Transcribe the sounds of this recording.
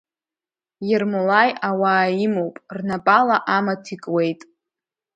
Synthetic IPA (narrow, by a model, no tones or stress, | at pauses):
jermulajawaːimowpʼrnapʼalaʔamatʰikʼwe̞jtʼ